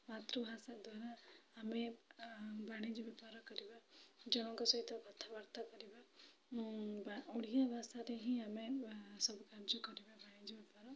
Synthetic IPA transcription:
mat̪ɾubʱasak̚d̪ʱwaɾaːme | baɽ̃id͡ʒɔbɛpaɾɔkɔɾibad͡ʒɔɽ̃ɔ̃kɔsɔit̪ɔkɔt̪ʰːabaɾt̪ʰakɔɾiba | bauɽ̤ijabʱasaɾeɦĩamesɔbkaɾd͡ʒukɔɾibabaɽ̃id͡ʒɔbɛpaɾɔ

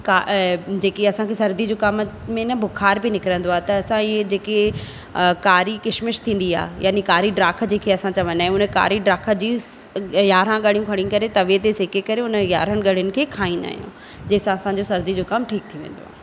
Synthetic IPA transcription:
kad͡ʑeːkiɐsãkʰeːsɐɾd̪id͡ʑoːkam | mẽnɐbʱʊkʰaːɾbinɪkɪɾə̃nd̪oaːt̪ɐɐsãɪɦed͡ʑeːke | kaːɾikɪʃmɪʃt̪ʰĩːn̆d̪ia̰ːɦja̰ːnikaːɾiɖɾaːk̆ʰd͡ʑeːkʰeɐsãt͡ɕɐʋɐ̃nd̪aːɦj̃ũʊnəka̰ːɾiɖɾaːkʰə̆d͡ʑiː | jaːɾãɠɐɽ̤ijũkʰɐɽ̤iũkɐɾet̪ɐʋet̪esekekɐɾeʊnəjaːɾəɽ̃ɠɐɽ̤jʊnɪ̆kʰeːkʰaːĩːnd̪a̰ːɦijṵ̃ | d͡ʑɐːsãɐsãɲd͡ʑosɐɾd̪id͡ʑoːkɐmʈʰiːk̚t̪ʰijuʋḛ̃ːn̆d̪oaː

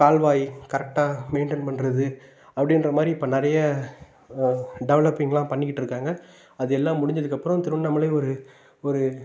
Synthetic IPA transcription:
kaːlʋaːjikɐɾɛk̚ʈaːmeɪɳʈɛnpɐɳɖɾɐðɯ | ɐpːɐɽɪnɾɐmaːd̪ɾiɪpːɐːnɐɾɐjɐ | ɖɛʋɭɐpːɪŋɡɐlãːpɐɳːɪkːɪʈːɪɾɯkːaːŋɡɐ | ɐðɯɛlːãːmʊɽɪ̃ɲd͡ʒɐðɯkːɐpːɯɾɔ̃t̪ɪɾɯɳːɐmɐlɐɔɾɯ | ɔɾɯ

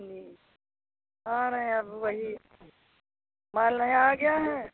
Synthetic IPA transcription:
d͡ʒi | ɦãnɐɦĩɐbʋɐɦi | maːlnɐɦĩaːɡɐjaɦɛ̃ː

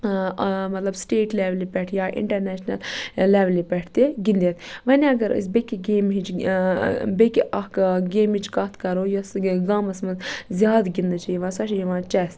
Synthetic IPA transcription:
mɐt̪lɐbsʈeːʈleːʋlipʲɛʈʰjaːʔḭɳʈɐɾnɛːʃnɐlːeːʋlipɛʈʰt̪eɡind̪iet̪ʋɐnʲiɐɡɐɾə̰sʲbekiɡeːmɦit͡ʃ | bekiʔɐkɡeːmit͡ʃkɐt̪ʰkɐɾoːjɐsɡaːmɐsmɐzzʲjaːd̪ɡind̪ɨt͡ʃʰiiʋãːsɐʃʰjiʋãːt͡ʃɛːst̪

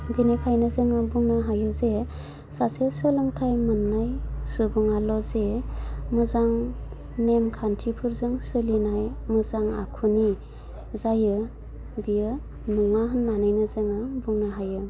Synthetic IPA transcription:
binekʰajnɯzɯŋɯbuŋnaɦajɯze | sasesɯlɔŋtʰajmɯnːajsubuŋalɔzemɯzaŋ | nemkʰantʰipʰuɾzɯŋsɯlinajmɯzaŋa̰kʰuni | zajɯ | bijɯ | nuŋaɦɯnːanɯjnɯzɯŋɯbuŋnaɦajɯ

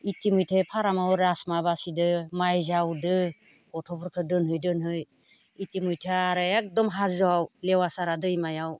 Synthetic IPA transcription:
itimɯjtʰepʰaɾamawɾasmabasidɯmajzawdɯ | ɔtʰɔbɔɾkʰɯdɯnɦɯjdɯnɦɯj | itimɯjtʰaaɾɯek̚dɔmɦazɯawlewasaɾadɯjmajaw

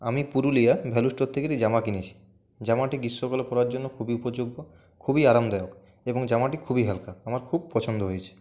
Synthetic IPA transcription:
amipuɾulijabʱɛluʃʈot̪ʰːekeɾid͡ʑamakinit͡ɕʰi̥ | d͡ʑamaʈiɡiʃːokalepɔɾoaɾd͡ʑonːokʰubiupod͡ʑoɡbo | kʰubiaɾamd̪ɛok | eboŋd͡ʑamaʈikʰubiɦɛlkaamaɾkʰub̚pɔt͡ɕʰond̪oɦojet͡ɕʰe̥

